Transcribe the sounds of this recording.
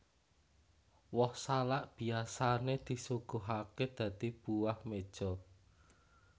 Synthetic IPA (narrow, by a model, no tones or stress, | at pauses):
wɔhsalaʔb̥i̤asaned̪̥i̤suɡ̥oɦaked̪̥ä̤d̪̥ib̥uwahmed̥ʒ̥ɔ̤